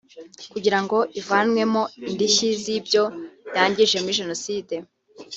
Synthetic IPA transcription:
kuɟiɾaŋɡo̞ʔivanwe̞mo̞indiʃizibjo̞jaːɲɟiʒe̞muɾiʒe̞no̞siːde̞

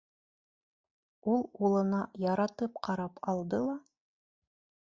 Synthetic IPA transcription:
ulˠulˠɤ̆nɑjɑɾɑt̪ɤp̚qʰɑɾɑpɑlˠd̪ɤlˠɑ

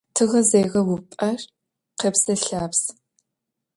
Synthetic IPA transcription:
tʰɨɣɐzeːjʁɐwʊpʼɐr | qeːpsɐɬaːps

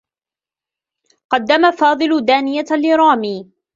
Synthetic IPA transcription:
qɑd̪ːamafɑːd̪ˤɨlʊd̪aːnɪjalɪɾˤɑːmiː

